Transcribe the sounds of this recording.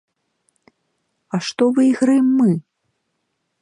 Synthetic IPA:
ɐʂt̪ɔvɨiɣɾajɛmːɨ

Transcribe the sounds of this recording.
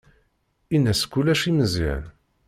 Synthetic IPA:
inːæskːulæʃiməzḭʕ̰n

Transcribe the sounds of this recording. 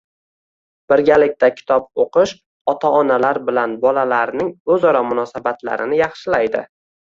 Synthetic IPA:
b̥ɪɾɡʲalɪk̚ʲt̪ʰakʲʰɪ̥t̪ʰɒp̚oqɨʃ | ɒt̪ʰaɒnalaɾbɪlanbɒlalaɾnɪŋɵzɒɾɒmʊnɒsabat̪la̰ɾɪnɪjɑχʃɪlajd̪ɪ̰

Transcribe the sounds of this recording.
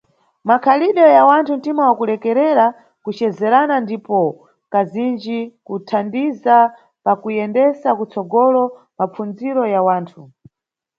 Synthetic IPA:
makʰaliɗɔjawantʰuntimawakulɛkɛɾɛɾa | kut͡ʃɛzɛɾanandipɔ | kazind͡ʒikutʰandiza | pakujɛndɛsakut͡sɔɡɔlɔ | map͡fund͡ziɾɔjawaːntʰu

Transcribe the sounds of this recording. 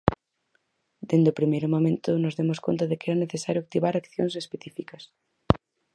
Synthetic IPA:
d̪end̪eopɾimejɾomõmẽnt̪ʊnozðemoskont̪aðekɛɾɐneθesaɾjoak̚t̪iβaɾakθjoŋsespeθifikɐs

